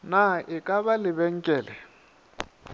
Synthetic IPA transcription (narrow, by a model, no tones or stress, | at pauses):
naɪkʼaβalɪbɛŋ̩kʼɛːlɛ